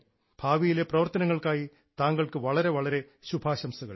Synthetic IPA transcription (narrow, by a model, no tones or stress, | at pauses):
b̥ʱaːʋijileprɐʋɐrt̪ɐnɐŋːɐɭkaːji | t̪aːŋɡɐɭkɨʋɐɭɐɾe̞ʋɐɭɐɾe̞ | ɕubʱaːɕɐmsuɣɐ̰ɭ